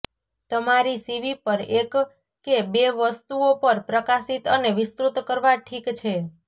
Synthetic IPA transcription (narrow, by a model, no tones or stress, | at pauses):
t̪əmaɾisiʋipəɾekː | ebeʋəst̪uopəɾpɾəkasit̪əneʋɪst̪ɾut̪kəɾʋaʈʰikt͡ʃʰe